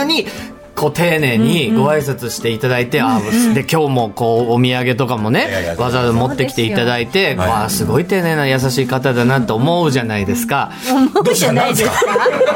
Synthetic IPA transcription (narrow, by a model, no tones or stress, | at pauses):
ɲ̟i | ko̞ːt̪e̞ːne̞ːɲ̟iɡo̞aisat͡sɨɕi̥t̪e̞it̪ad̪ait̪e̞ad̪e̞kʲo̞ːmo̞ko̞ːomʲiaɡe̞t̪o̞kamo̞ne̞βazad̪omo̞t̪ːekʲi̥t̪e̞it̪ad̪ait̪e̞koasɨɡo̞it̪e̞ːne̞ːnajas̬aɕiːkat̪ad̪anat̪ːo̞ːmo̞ɯ̟ʑanaid̪e̞sɨ̥ka | d̪nais